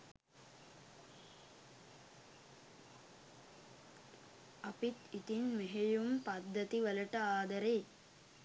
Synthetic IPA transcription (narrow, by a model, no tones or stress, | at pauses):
ɐpit̪it̪inmeɦejumpɐd̪ːɐt̪iʋɐlɐʈɐaːd̪ɐɾej